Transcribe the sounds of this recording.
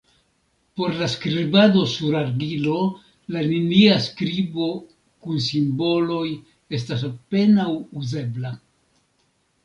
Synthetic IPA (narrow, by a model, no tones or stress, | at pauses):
po̞ɾlaskɾibado̞suɾaɾdilo̞ | laniniaskɾibo̞ | kunsimbo̞lo̞j | e̞stas̬ape̞nawuze̞bla